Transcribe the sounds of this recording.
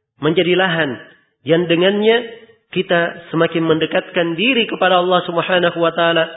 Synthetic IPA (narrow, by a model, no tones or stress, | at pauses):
məɲd͡ʒadilaɦan | jaŋdəŋanɲa | kit̪asəmakɪnməndəkat̪̚kandiɾikəpadaɑlːɑhsubəħanaɦuwat̪aaːla